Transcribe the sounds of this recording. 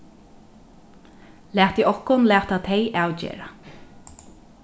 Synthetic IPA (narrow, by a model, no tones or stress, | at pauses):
læːt̪iːʔɔhkʊnlæːt̪at̪ʰeɪʔaːwd͡ʒḛːɹa